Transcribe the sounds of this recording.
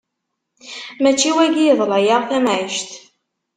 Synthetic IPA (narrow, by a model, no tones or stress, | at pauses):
mæt͡ʃːiwæɡiðˤlɑjaʁˤθæmʕiʃt̪